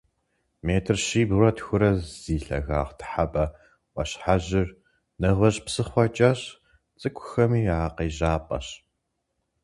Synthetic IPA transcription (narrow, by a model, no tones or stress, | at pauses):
meːtʰɨrʃiːburɐtxʷʊɾɐz̥iːɬɐ̰ɣa̰ːʁtʰħapʼɐ | ʔʷɔ̰ɕħaʑɪr | nɐʁʷɐɕʼpsɨχʷɐt͡ʃʼɐɕ | t͡sʼɨkʷʰʼʊxɐmiːaqeːʑaːpʼɐ̰ɕ